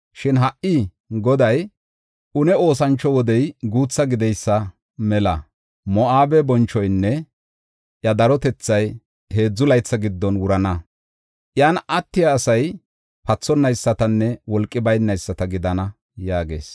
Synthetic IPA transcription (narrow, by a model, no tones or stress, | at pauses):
ʃɪnɦɐʔʔɪ | ɡɔd̪ɐj | ʔʊnɛo̞ːs̬ɐnt͡ʃːɔwɔd̪ɛjɡuːt͡sːɐɡɪd̪ɛjsːɐ | mɛlɐ | mɔʔaːbɛbɔnt͡ʃːɔjnːɛ | ʔjɐd̪ɐɾɔt̪ɛt͡sːɐj | he̞ːd͡zːʊlɐjt͡sːɐɡɪd̪ːɔnwʊɾɐnɐ | ʔjaːnɐt̪ːɪjɐːsɐj | pɐt͡sːɔnːɐjsːɐt̪ɐnːɛwɔlkʼːɪbɐjnːɐjsːɐt̪ɐɡɪd̪ɐnɐ | jaːɡe̞̰ːs